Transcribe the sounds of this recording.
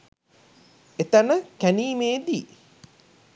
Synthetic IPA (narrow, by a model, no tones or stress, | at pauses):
et̪ɐnəkæniːmeːd̪iː